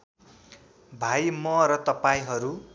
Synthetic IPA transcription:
bʱajmʌɾʌt̪ʌpaĩɦʌɾu

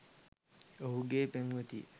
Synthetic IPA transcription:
oɦuɡeːpeŋʋət̪ḭ

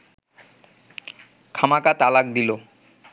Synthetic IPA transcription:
kʰamakat̪alak̚d̪ilo

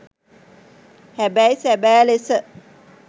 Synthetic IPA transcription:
hæbæjsæbæːlesə

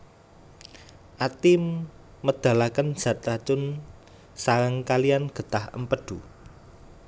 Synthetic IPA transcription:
ʔat̪ɪmː | əd̪̥a̤lakən̥ʒ̥a̤t̪ɾat͡ʃʊn | saɾəŋkalijanɡ̥ə̤t̪ahə̰mpəɖ̪̥u

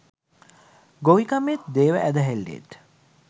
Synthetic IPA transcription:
ɡoʋikamet̪d̪eːʋə̰ʔæd̪əɦelːḛt̪

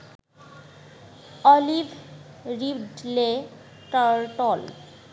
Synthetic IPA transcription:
ɔlibʱ | ɾibɖle | ʈaɾʈɔl

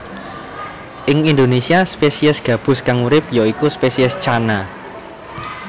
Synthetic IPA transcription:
ʔɪŋind̪onesiaspesiəsɡ̥ä̤b̥ʊ̤skaŋuɾɪp̚jɔikuspesiɪst͡ʃana

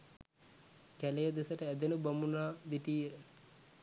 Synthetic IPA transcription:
kɛlejəd̪esɐʈəɛd̪enubɐmunaːd̪iʈijə

